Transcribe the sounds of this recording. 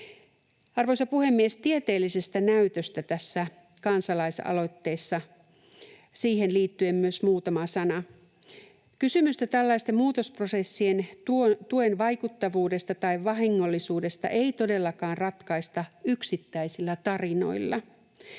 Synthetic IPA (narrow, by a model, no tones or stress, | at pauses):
ɑrʋojsɑpuhe̞mːiest̪iet̪e̞ːlːisest̪ænæyt̪øst̪æt̪æsːæ | kɑnsɑlɑisɑ̰lo̞t̪ːe̞ːsːɑ | siːhenliːt̪ːyemːyøsmuːt̪ɑmɑsɑnɑ | kysymyst̪æt̪ælːɑist̪emuːt̪o̞sprosesːientt̪uenʋɑjkut̪ːɑʋuːde̞st̪ɑt̪ɑiʋʋɑɦiŋːo̞lːisuːde̞st̪ɑ̰ʔeit̪o̞de̞lːɑkɑːnrɑt̪kɑist̪ɑyksit̪ːæisilːæt̪ɑrino̞̰ilːɑ